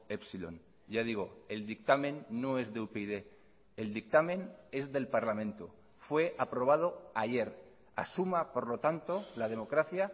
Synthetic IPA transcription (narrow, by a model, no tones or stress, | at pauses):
epsilo̞̰n | ɟ͡ʝað̞iɣ̞o̞e̞ld̪ik̚t̪amẽ̞nːo̞e̞zðeupeiðe̞ː | ld̪ik̚t̪amẽ̞ne̞zðe̞lpaɾlamẽ̞nt̪o̰ | fwe̞ʔapɾo̞β̞að̞oaʝe̞ɾ | a̰sumapo̞ɾlo̞t̪ant̪olaðe̞mo̞kɾaθja